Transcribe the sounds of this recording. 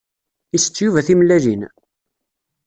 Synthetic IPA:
isə̥t͡sːjuvæθimlːæʒin

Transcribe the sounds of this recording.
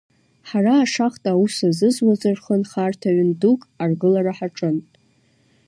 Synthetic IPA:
ħaraːʂaχtʼausazɨzwazɨrχənχartʰaɥʏndukʼarɡɨlaɾaħaʈ͡ʂʼɨn

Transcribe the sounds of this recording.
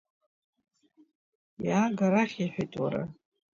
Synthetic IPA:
jaːɡaɾaχʲiħʷᶣejtʼwa̰ɾa̰

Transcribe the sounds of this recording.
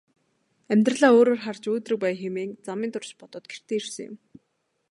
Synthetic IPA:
æmʲt̪rəɮaːoːɾoːrχart͡ɕoːt̪rɘ̆k̚pæːjxemeːŋt͡samiːnt̪ʊrt͡ɕpɔt̪ɞ̆ːt̪̚ɡer̥t̪ʰeːirsɘ̆ŋjʊ̰m

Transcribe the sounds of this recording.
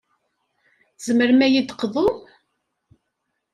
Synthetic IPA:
z̥məɾmæjid̪qðˤo

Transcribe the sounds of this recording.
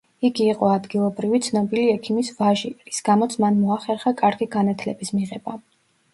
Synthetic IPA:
iɡiːqʼɔad̪ɡilˠɔbɾivit̪sʰnɔbiliɛkʰimisvaʒiɾisɡ̥amɔt̪sʰmanmɔaχɛɾχakʼaɾɡiɡanat̪ʰlɛbismiʁɛba

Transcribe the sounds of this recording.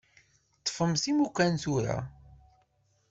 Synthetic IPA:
t̪ːˤfəmsimukːænθuɾa̰

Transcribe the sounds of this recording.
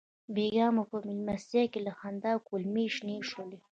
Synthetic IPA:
beɡɑmopəmɪlmast̪jɑkelaxand̪ɑkulmeʃneʂole

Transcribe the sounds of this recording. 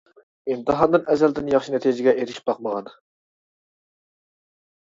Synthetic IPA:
imt̪ʰɨɦɑnd̪ɨnɛzɛld̪ɪnjɑχʃinɛt̪ʰijd͡ʒɪɡʲɛeɾɪʃi̥p̚bɑqməʁɑn

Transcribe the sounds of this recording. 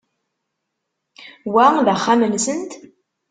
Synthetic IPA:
wæðæχːamənsənt̪

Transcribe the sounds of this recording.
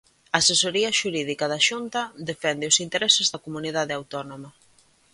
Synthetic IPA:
sesoɾiɐʃuɾið̞ikɐðɐʃunt̪ɐd̪efɛnd̪ɪʊsint̪eɾɛsɪzðɐkomuniðaðeawt̪ɔnomɐ

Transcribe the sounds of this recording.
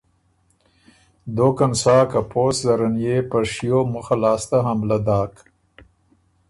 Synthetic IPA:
d̪okansɑːkapoːszaɾanjepaʂijomʊxalɑːst̪aɦamlad̪ɑːk

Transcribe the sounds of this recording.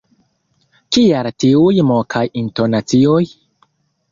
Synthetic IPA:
kialtiujmokʰajinto̞nat͡sioj

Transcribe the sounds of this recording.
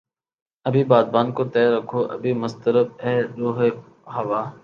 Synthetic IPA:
ɐbʱiːbaːd̪̚baːnkot̪ɛːɾɐkʰoːʔɐ̰bʱiːmʊst̪əɾəb̚ɛːd̪oːɦe | ɦɐʋaː

